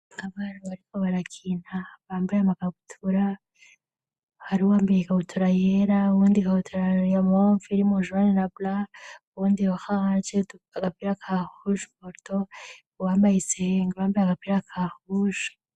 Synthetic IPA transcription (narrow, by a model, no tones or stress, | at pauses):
aβanoβaɾikoβaɾakʰinaβaːmbajamakaɡutʰuɾa | haɾiuwaːmbeekaβutʰuɾajeɾauβuːndikaβutʰuɾajamoɱfiɾimoʒuaninablauβuːndiohaat͡ʃetu | aɡapiɾakʰahuʒumoɾto | waːmbajiseŋɡaβaːmbajaɡapiɾakʰahuʒu̥